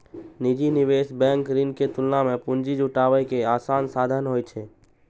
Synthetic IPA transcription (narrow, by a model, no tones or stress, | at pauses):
nid͡ʒinɪʋeːsbɛ̃ːŋkɾɪnket̪ʊlnamẽpʊ̃nd͡ʒid͡ʒʊʈaːwəjkeaːsaːnsaːd̪ʱənɦoːjt͡ʃʰeː